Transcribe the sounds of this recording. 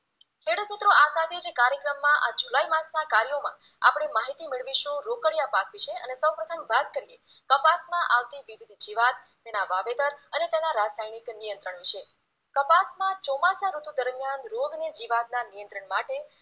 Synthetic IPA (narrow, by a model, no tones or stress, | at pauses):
kʰeɽəmit̪ɾoʔasad̪ʱed͡ʒekaɾjəkɾəmːãʔad͡ʒulaimãsnakaɾjomã̰ | a̰pɽ̃emaɦit̪imeɭʋiʃũɾokəɽjapakʰʋit͡ʃʰeənesəwpɾət̪ʰəmbat̪̚kəɾijekəpasmãʔaʋt̪iʋiʋid̪d͡ʒiʋad̪ | t̪enaʋabed̪əɾənet̪enaɾasajniknijənt̪ɾəɳʋit͡ʃʰe | kəpasmãt͡ʃɔmasaɾut̪ud̪əɾmijanɾoɡned͡ʒiʋad̪̚nanijənt̪ɾəɳmaʈe